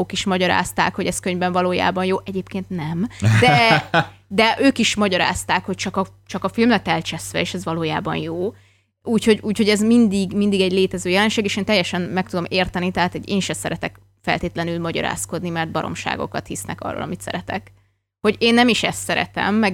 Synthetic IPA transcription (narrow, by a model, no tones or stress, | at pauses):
oːkiʃmɒɟɒɾa̰ːst̪aːkho̞ɟɛskøɲvbɛɱvɒloːja̰ːbɒnjoːʔɛɟeːpkeːnt̪nɛmd̪ɛ | d̪ɛʔøːkiʃmɒɟɒɾa̰ːst̪aːkho̞c̚t͡ʃɒkɒt͡ʃɒkɒfilmlɛt̪ɛlt͡ʃɛsʋɛ̰eːʃɛzʋɒloːja̰ːbɒ̰njoː | uːcho̞ɟuːcho̞ɟɛzmind̪iɡmind̪iɡɛɟleːt̪ɛzøːjɛlɛnʃeːɡeːʃeːnt̪ɛjːɛʃɛnmɛk̚t̪ud̪o̞meːrt̪ɛnit̪ɛɦaːt̪ɛɟḛːnʃɛsɛɾɛt̪ɛk | fɛ̰lt̪eːt̪lɛnylmɒɟɒ̰ɾa̰ːsko̞d̪nimɛrd̪̚bɒɾo̰mʃa̰ːɡo̞̰kɒ̰t̪hisnɛ̰kɒ̰rːo̰lɒ̰mit̪sɛ̰ɾɛt̪ɛ̰k | ho̞ɟeːnːɛmiʃɛst̪sɛɾɛ̰t̪ɛ̰mːɛɡ